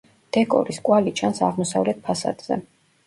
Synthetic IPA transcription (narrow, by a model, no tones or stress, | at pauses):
d̪̥ɛkʼɔ̰ɾiskʼwalit͡ʃʰansaʁmɔsavlɛt̪̚pʰasa̰d̪z̥ɛ̰